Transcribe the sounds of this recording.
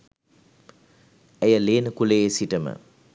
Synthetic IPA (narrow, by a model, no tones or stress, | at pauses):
ɛjəleːnəkuleesiʈəmə̰